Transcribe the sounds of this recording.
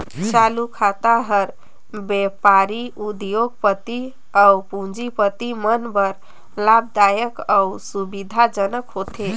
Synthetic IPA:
t͡ʃalukʰat̪aɦəɾ | bepaɾiud̪joɡpət̪i | aupũnd͡ʒipət̪imənbəɾ | lab̚d̪ajəkausubid̪ʱad͡ʒənəkɦot̪ʰe

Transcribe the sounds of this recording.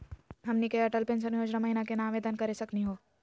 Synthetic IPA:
ɦɐmnikeɐʈəlpensənjoːd͡ʒnamɐɦinakenaːʋeːd̪ənkɐɾesɐkniɦoː

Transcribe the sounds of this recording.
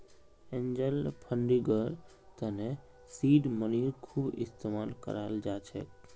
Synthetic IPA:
ẽɲd͡ʒəlpʰə̃ɳɖiɡəɾ | t̪əne | siːɖməniɾkʰuːbɪ̰st̪emaːlkə̰ɾald͡ʒaːt͡ʃʰɛ̰k

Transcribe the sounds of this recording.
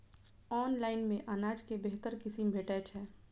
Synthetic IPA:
ɔːnlaːɪnmẽʔanaːd͡ʒkebeɦt̪əɾkɪsimbʱeːʈɛt͡ʃʰɛː

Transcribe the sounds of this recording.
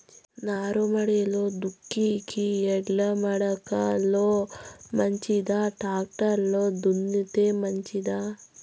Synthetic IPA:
naːɾomɐɽeloːd̪ukːikiɛɽːɐmɐɽɐkɐloːmɐɲt͡ʃid̪aːʈaːk̚ʈɐɾloːd̪unːit̪eːmɐɲt͡ʃid̪aː

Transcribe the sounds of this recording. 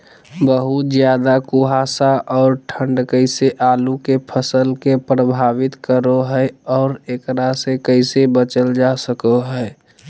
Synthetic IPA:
bəɦut̪d͡ʒjaːd̪akuɦasaʔɔːɾʈʰə̃ɳɖkəɪseʔaːlukepʰəsəlkepɾəbʱaːʋɪt̪kəɾoɦɛɛɔːɾekɾasekəɪsebət͡ʃəld͡ʒasəkoɦɛɛ

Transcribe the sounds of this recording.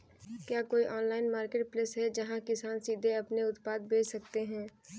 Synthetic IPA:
kjaːkoːiʔɔːnlaːɪnmaːɾkeːʈ̚pleːsɦɛd͡ʒɐɦãkɪsaːnsiːd̪ʱeɐpneʊt̪paːd̪̚beːt͡ʃsɐkt̪eɦɛ̃ː

